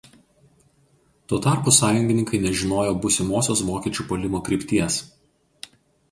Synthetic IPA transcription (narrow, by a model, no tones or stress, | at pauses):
t̪uɔt̪ɑˑɾpʊsɑːjʊŋʲɡʲɪnʲɪŋkɐɪnʲɛʒʲɪnoːjoːbʊsʲɪmoːsʲoːsʋoːkʲiɛt͡ʃʲuːpolʲɪmoːkɾʲɪːˑpʲt̪ʲiɛs